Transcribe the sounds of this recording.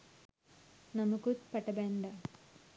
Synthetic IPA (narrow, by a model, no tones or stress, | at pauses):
nɐmukutpɐʈːɐbeɳɖɐ